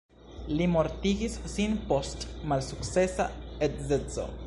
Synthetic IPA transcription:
limoɾt̪iɡissinpost̪malsukt͡sesa̰et̪zet͡so̰

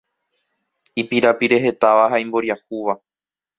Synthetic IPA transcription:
ipiɾapiɾe̞ɦe̞t̪aʋaɦaĩmbo̞ɾjahuʋa

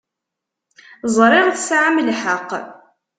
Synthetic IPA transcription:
zˤɾˤɪʁθsʕamlħəqː

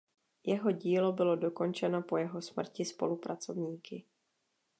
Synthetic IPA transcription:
jɛɦo̞ɟiːlo̞bɪlo̞do̞ko̞nt͡ʃɛno̞po̞jɛɦo̞smr̩cɪspo̞̰lupɾʔat͡so̞vɲiːkɪ

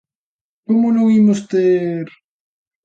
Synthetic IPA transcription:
komonõŋimost̪eɾ

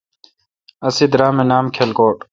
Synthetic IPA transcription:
ɐsid̪ɾaːmenaːmkʰelkoːʈ

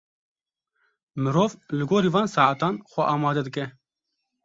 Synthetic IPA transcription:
mɨɾoːvlɨɡoːɾiːvɑːnsɑːat̪ɑːnxʷɐʔɑːmɑːd̪ɐd̪ɨkɛ

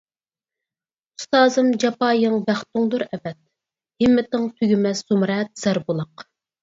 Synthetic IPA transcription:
ust̪ɑːzɨmd͡ʒɑpɑːjɨŋbæχt̪uŋd̪uɾɛvɛt̪̚ | hɪmːɪt̪ɨŋt̪ʰyɡʲymɛsz̥umɾɛt̪̚z̥æɾbulˠɑq

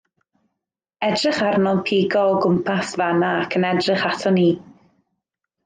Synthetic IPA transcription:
ɛdrɪχarnɔnpʰiːɡɔːɡʊmpʰasvanaːkʰənɛdrɪχatʰɔniː

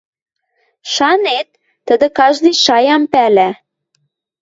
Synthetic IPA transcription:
ʃɑnet̪̚ː | ə̆d̪ə̆kɑʒd̪ijʃɑjɑmpælæ

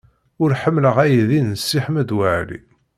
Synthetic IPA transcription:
ʊɾħəmːləʁæjðinəsːiħmæd̪wəʕlḭ

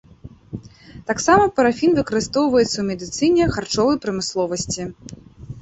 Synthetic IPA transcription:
t̪aksamɐpɐɾafʲinvɨkɐɾɨst̪ɔwvɐjɛt̪sːɐwmʲɛd̪ɨt̪sɨnʲɛxart͡ʂɔvɐjpɾɐmɨslˠɔvɐsʲt͡sʲi

